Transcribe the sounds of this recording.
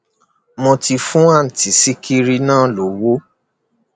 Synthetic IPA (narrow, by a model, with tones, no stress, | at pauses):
mɔ̃˧ti˧fũ˦a˦˨ti˨si˦kʰi˦ɾi˧nãː˦˨˦lo˨wo˦